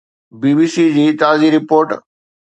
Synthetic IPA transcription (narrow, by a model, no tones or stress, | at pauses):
biːbiːsid͡ʑiːt̪aːziːɾɪpoːɾʈ